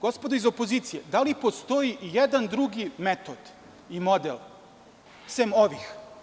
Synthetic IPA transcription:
ɡ̥o̞spo̞d̪oizo̞po̞ziːt̪sijed̪alipo̞st̪o̞iʔijed̪and̪ɾuɡimet̪od̪̥ | imo̞d̪ḛl | semo̞ʋix

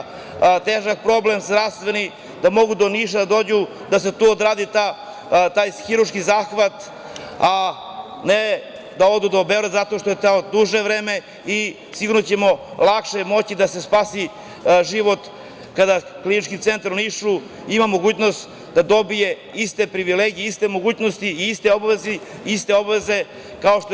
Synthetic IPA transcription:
t̪eːʒak̚pɾo̞ble̞mzd̪ɾaʋst̪ʋe̞ni | d̪amo̞ɡud̪o̞niʃad̪ad̪o̞ːd͡ʑu | d̪as̬e̞t̪uːod̪ɾaːd̪it̪a | t̪aːjxiɾuɾʃkizaːxʋat̪ | a | ne | d̪ao̞d̪ud̪aobeɾezat̪o̞ʃt̪ojet̪aod̪uʒeʋɾeːme̞ | i | siɡuɾnot͡ɕemo̞lˠakʃemo̞t͡ɕid̪ase̞spaːsi | ʒiʋo̞t̪ | kad̪aklinit͡ʃkit̪se̞nt̪aɾuniʃu | imamo̞ɡuːt͡ɕno̞st̪ | d̪ad̪o̞bije̞ | ist̪e̞pɾiʋileɡijeist̪e̞mo̞ɡuːt͡ɕno̞st̪iːist̪e̞o̞baʋezi | ist̪e̞obaʋeze̞ | kao̞ʃt̪o

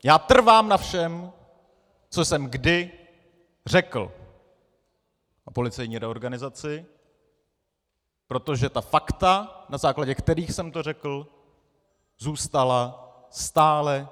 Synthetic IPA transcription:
jaːt̪r̩vaːmnafʃɛm | t͡so̞sɛmɡdɪ | r̝ɛkl̩ | ʔopo̞lɪt͡sɛjɲiːɾɛoɾɡanɪzat͡sɪ | pɾo̞t̪o̞ʒɛt̪afakt̪anazaːklaɟɛkt̪ɛɾiːxsɛmt̪o̞rɛkl̩ | zuːst̪ala | st̪aːlɛ

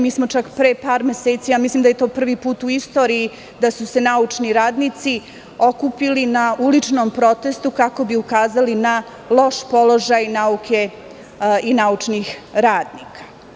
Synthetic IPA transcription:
miːsmo̞t͡ʂakpɾepaːɾmeseːt̪sijamislimd̪ajet̪opr̩ʋipuːt̪uist̪o̞ːɾiː | d̪asuse̞naut͡ʂniɾaːd̪nit̪si | o̞kupilinaulit͡ʂnompɾo̞t̪e̞st̪ukako̞biukaːzalina | lˠo̞ʃpo̞lo̞ʒajnaukʰe | inauʈ͡ʂnixɾaːd̪nikḁ

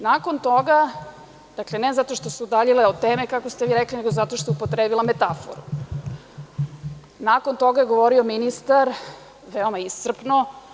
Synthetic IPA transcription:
nako̞nt̪o̞ɡa | d̪̥akle̞nezat̪o̞ʃt̪o̞suud̪aʎileot̪eːmekakost̪eʋiɾeklineɡozat̪oʃt̪ojupot̪ɾeːbilˠame̞t̪afo̰ɾu | nakont̪o̞ɡajeɡo̞ʋo̞ɾiominist̪aɾ | ʋeo̞maissr̩pno

